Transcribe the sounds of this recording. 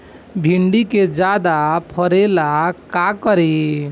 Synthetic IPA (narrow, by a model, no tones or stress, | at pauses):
bʱiɳɖiked͡ʒad̪apʰəɾelakakəɾi